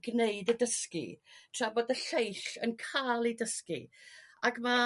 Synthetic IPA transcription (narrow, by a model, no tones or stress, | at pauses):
ɡneɨdədəskḭtʰrabɔdəɬejɬənkʰalˠidəskḭaɡma